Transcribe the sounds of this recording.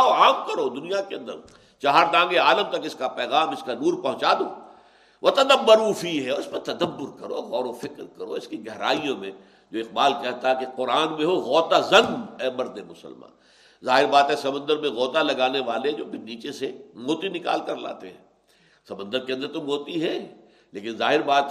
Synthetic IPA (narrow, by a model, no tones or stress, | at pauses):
oaːmkɐɾod̪ʊnijakeɐ̃nd̪ə̰ɾ | t͡ʃaɦaːɾd̪ãːŋɡeaːləmt̪ɐkɪskapɛːɣaːmɪskanuːɾpɐɦʊ̃t͡ʃaːd̪oː | ʋɐt̪ɐd̪əbːəɾuːfiɦɛɔːɾɪspɐt̪ɐd̪əbːʊɾkɐɾo̰ːɣɔːɾofɪkɾkɐɾo̰ɪskiɡɛɦɾa̰ːijõmẽ | d͡ʒoːɪq̚baːlkɛɦt̪aɦɛkeqʊɾaːnmẽɦoɣɔːt̪azɐ̃ŋɡɦɛmɐɾd̪emʊsə̰lmã̰ː | zaːɦɪɾbaːt̪ɦɛsɐmə̃nd̪əɾmẽɣɔːt̪alɐɡaːneʋaːleɛd͡ʒoːpʰɪniːt͡ʃesemoːt̪inɪka̰ːlkɐɾla̰ːt̪eɦɛ̰̃ː | sɐmə̃nd̪əɾkeɐ̃nd̪əɾt̪omoːt̪iɦɛ | leːkɪnzaːɦɪɾbaːt̪